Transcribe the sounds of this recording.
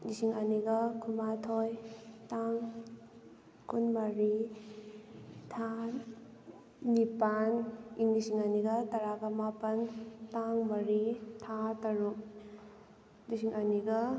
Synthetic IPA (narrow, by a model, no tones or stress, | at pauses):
disiŋɐniɡɐkʰumatʰojtaŋ | kunmɐɾi | tʰa | nipaniŋnisiŋɐniɡɐtɐɾaɡɐmapɐntaŋmɐɾitʰatɐɾuk̚ | disiŋɐniɡɐ